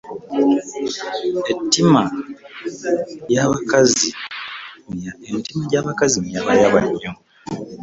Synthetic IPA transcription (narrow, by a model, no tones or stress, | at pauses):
etːima | jaβakazi | maentimaɟaːβakazimjaβajaβaɲːo